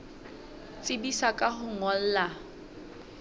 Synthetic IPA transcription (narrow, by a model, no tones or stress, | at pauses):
t͡sʼɪbisakʼaχʊŋɔl̩ːla